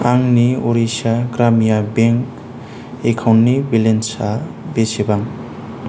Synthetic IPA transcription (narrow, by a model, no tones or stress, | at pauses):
aŋnioɾisaɡɾamijabeŋk | ekʰawnːibilensa | besebaŋ